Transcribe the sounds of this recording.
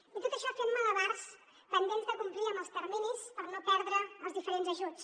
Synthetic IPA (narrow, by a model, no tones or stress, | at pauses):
it̪ot̪əʃɔfemmələβaɾs | p̪ənd̪enzðəkumpliəməlˠst̪əɾminispəɾnopɛɾðɾəəlˠzðifəɾenzəʒut͡s